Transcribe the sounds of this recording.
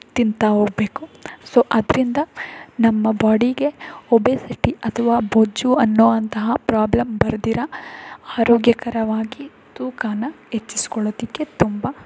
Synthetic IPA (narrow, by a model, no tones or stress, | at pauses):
t̪int̪ɐɦoːɡɐbeːkusoːʔɐd̪ɾind̪ɐnɐmːɐbaːɽiɡe̞obesiʈiɐt̪ʰɐʋaːboːd͡ʒuɐnːoːʋɐnt̪ɐɦɐpɾaːblɐmbɐɾd̪iɾɐaːɾoːɡjɐkɐɾɐʋaːɡi | t̪uːkaːnɐɦet͡ʃːisi̥kɔɭoːd̪ikːe̞t̪umbɐ